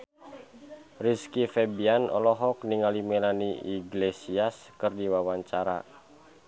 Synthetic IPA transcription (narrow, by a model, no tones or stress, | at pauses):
riskifɛbianɔ̰lɔɦɔk̚niŋalimɛlaniiɡlesiaskɨrdiwawaɲt͡ʃaɾa̰